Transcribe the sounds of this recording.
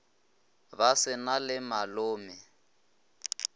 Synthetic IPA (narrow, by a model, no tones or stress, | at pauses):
basɪnalɪmalʊːmɪ